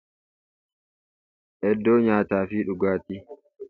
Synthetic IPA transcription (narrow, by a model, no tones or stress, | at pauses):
ʔɛdːɔːɲaːtaːfiːɗuɡaːti